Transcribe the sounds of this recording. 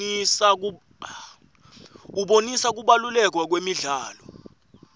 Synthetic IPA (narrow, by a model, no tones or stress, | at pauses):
isak̬ | uɓonisak̬uɓalulɛk̬wak̬wemiɮaːlɔ